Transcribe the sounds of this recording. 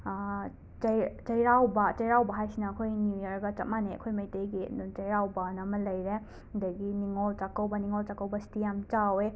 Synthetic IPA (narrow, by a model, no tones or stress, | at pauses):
t͡ʃɐjt͡ʃɐjɾawbɐt͡ʃɐjɾawbɐɦajsinɐːkʰojnjujɐɾɡɐt͡ʃɐt̚maneɐ̰kʰojmajtejɡit͡ʃɐjɾawbanɐmɐlɐjɾe | dɐɡiniŋɔlt͡ʃakɐwbɐniŋolt͡ʃakɐwbɐsi̥tijamt͡ʃawe